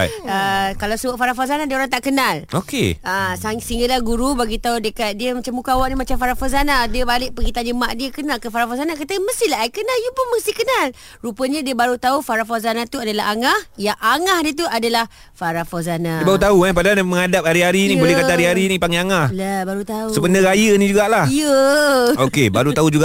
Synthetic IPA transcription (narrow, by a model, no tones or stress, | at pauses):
əkalawsəbʊʔfaɾafazanadiəoɾaŋt̪aʔkənalokḛasasiŋɡəʔlahɡuɾubaɡit̪audəkat̪̚diəmat͡ʃamukawaʔnimat͡ʃamfaɾafazanadiəbalɪʔ̚pəɡit̪aɲəmaʔdiəkənalkəfaɾafozanakat̪əməst̪ilaɦaikənaljupʊnməst̪ihkənal | rupəɲadiəbaɾut̪aufaɾafazanat̪uadalaɦaŋahjaŋʔaŋahdiət̪̬uadalah | faɾafozanaiəbaɾudt̪auahpadaanməŋadap̚haɾiɦaɾinĩbolɛhkat̪aɦaɾiaɾinĩpaŋeaŋahlabaɾut̪ausəpənəɾajənĩd͡ʒuɡaʔlahiə | okebaɾut̪aud͡ʒuɡaʔ